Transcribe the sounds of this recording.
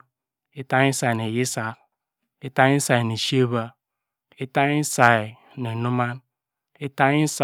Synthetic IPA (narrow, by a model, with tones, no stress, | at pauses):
e˦ta˦ŋ˦i˦sa˨i˨ne˨ji˦sa˨k̚ | e˦ta˦ŋi˦n̩˦sa˨i˨ne˨ʃi˦e˦βa˦ | e˦ta˦ŋi˦n̩˦sa˨i˨ | ne˨nu˦ma˦n | e˦ta˦i˦n̩˦s